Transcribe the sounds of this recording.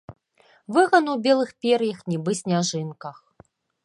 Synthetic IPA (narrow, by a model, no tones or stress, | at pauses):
vɨɣɐnuwbʲɛlˠɨxpʲɛrjixnʲibɨsʲnʲaʐɨnkɐx